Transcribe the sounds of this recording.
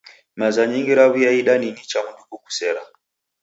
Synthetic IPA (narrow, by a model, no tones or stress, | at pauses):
mazaɲiŋɡiɾaβijaiɗaninit͡ʃamunɗukuku̥sɛɾa